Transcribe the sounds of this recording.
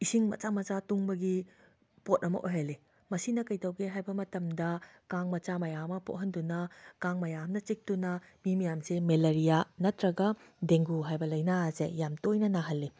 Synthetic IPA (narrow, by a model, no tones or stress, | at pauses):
isiŋmɐ̰t͡ʃamɐt͡ʃatuŋbɐɡi | pot̚ɐmɐ̰ʔo̰jɦelːi | mɐsinɐkɐjtɐwɡeɦajbɐmɐtɐmdɐkaŋmɐt͡ʃamɐjamɐpo̰ʔ̚ɦɐndunɐkaŋmɐjamnɐt͡ʃik̚tunɐ | mimijamsemelɐɾijanɐtɾɐɡɐdeŋɡuɦajbɐlɐjnazḛjamtojnɐnaɦɐlːi